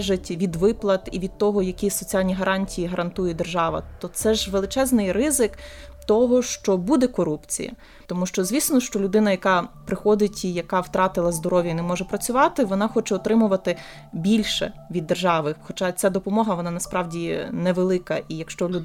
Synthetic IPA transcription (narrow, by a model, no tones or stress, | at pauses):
ʒetʲʋʲid̪ʋɪplˠɐt̪iʋʲid̪̚t̪ɔɦɔjɐkʲisɔt͡sʲialʲnʲiɦɐɾʔɑnʲtʲijiɦɐɾʔɐnt̪ujɛd̪erʒɑʋɐ̰t̪ɔt̪sɛʒʋelˠɪt͡ʃɛznɪjrɪzɪkt̪ɔɦɔʃt͡ʃɔbud̪ɛkɔɾupt͡sʲḭjɐ̰ | t̪ɔmuʃt͡ʃɔzʲʋʲisnɔʃt͡ʃɔlʲʊd̪ɪnɐjɐkɑpɾɪxɔd̪ɪtʲijɐkɑwt̪ɾɑt̪ɪlˠɐzd̪ɔɾɔʋʲjɐinɛmɔʒɛpɾɐt͡sʲʊʋɑt̪ɪʋɔnɑxɔt͡ʃɛɔt̪ɾɪmʊʋɐt̪ɪ | bʲilʲʃɛ̰ʋʲid̪ːerʒɑʋɪxxɔt͡ʃɑt͡sʲad̪ɔpɔmɔɦɐʋɔnɑnɐspɾɑʋdʲinɛʋelˠɪkɐʔijɐkʃt͡ʃɔlʲʊ